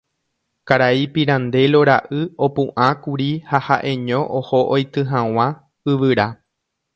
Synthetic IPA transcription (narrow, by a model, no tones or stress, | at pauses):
kaɾaipiɾãnd̪e̞lo̞ɾaʔɨo̞pũʔãkuɾihahaʔẽ̞ɲõ̞ʔoho̞ʔojt̪ɨɦãw̃ã | ɨʋɨɾa